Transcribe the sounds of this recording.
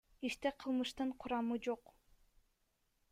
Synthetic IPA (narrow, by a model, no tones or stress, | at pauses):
iʃt̪eqʰɯlˠmɯʃt̪ɯɴqʰuɾɑmɯd͡ʒoq